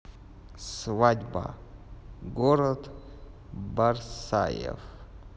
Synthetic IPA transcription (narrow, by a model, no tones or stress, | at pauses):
svadʲba̰ | ɡoɾɐd̪ | barsa̰jḛf